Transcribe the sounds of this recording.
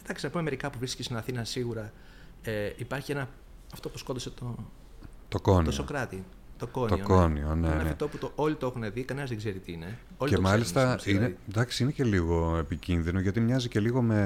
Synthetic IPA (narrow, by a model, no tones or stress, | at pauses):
end̪ɐksinɐpumemeɾikɐpuvɾiscesonɐθinɐsiɣuɾɐ | eipɐɾçienɐ | ɐft̪o̞puskot̪d̪iset̪o | t̪o̞ko̞nosokɾɐt̪i | t̪o̞ko̞nt̪oioko̞nionenɐfit̪o̞put̪oolit̪oexuneðikɐne̞nɐzðeɡze̞ɾit̪iine̞ | oliemɐlist̪ɐsined̪ɐksiinece̞liɣo̞epicinðino̞ʝɐt̪imɲɐzice̞liɣo̞me̞